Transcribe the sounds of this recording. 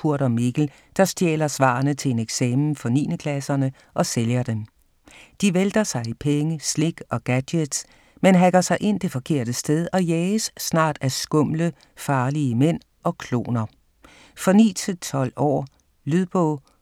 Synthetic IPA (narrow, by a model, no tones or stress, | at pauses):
uɐ̰ɾ̥ɒmeɡ̥l̩ | d̥ɑ̈sd̥jḛːlɐsʋɑ̰̈ːɐnət͡sʰe̝e̝neɡ̥sɛːmn̩fɒ̽nḭːnəkʰlæsɐnə | ʔɒ̽seljɐd̥em | d̥iʋeld̥ɐsɑ̈ɪipʰeŋəsle̝ɡ̥ɒ̽ɡ̥æd̥ed̥s | menɦæɡ̥ɐsɑ̈ɪʔe̝n̰d̥e̝fɒ̽kʰe̝ɐ̰d̥əsd̥eð̞ˠɒ̽jɛːsːnɑ̰̈ːd̥æsɡ̥ɔ̽m̰lə | fɑ̈ːliəmen̰ | ɒ̽kʰlo̝̰ːnɐ | fɒ̽nḭːt͡sʰe̝t͡sʰɒ̽l̰ɒ̰ː | lyðˠb̥ɔ̰ː